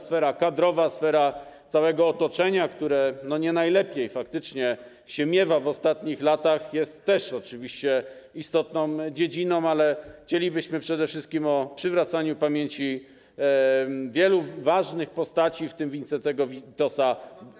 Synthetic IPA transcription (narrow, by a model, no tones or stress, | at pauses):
sfɛɾakad̪ɾɔvasfɛɾat̪sawɛɡɔːt̪ɔt͡ʂɛɲakt̪uɾɛnɔɲɛnajlɛpʲjejfak̚t̪ɘt͡ʂɲɛ | ɕɛmʲjɛvavɔst̪at̪ɲixlat̪axjɛst̪ːɛʂɔt͡ʂɘvʲiɕt͡ɕɛist̪ɔt̪̚nɔ̃w̃d͡ʑed͡ʑinɔ̃w̃alɛxt͡ɕelʲibɘɕmɘpʂɛd̪ɛfʂɘst̪̚kʲimɔpʂɘvɾat̪saɲupamʲjeɲt͡ɕi | vʲjɛluvaʐnɘxpɔst̪at͡ɕift̪ɘmvʲint̪sɛt̪ɛɡɔvʲit̪ɔsa